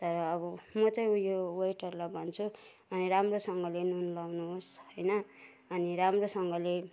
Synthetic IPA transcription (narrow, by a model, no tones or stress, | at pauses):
t̪ʌɾʌːβʌmʌt͡sʌj̃ujowʌjʈʌrlabʱʌnt͡sʰu | ʌniɾamrosʌŋɡʌlenunlawnuɦsɦʌjnʌ | ʌniɾamrosʌŋɡʌle